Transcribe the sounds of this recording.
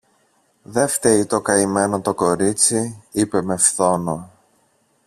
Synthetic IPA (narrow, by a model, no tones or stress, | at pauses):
ðe̞ft̪e̞ɾit̪o̞kɐime̞not̪o̞ko̞ɾit͡siipe̞me̞fθo̞no̞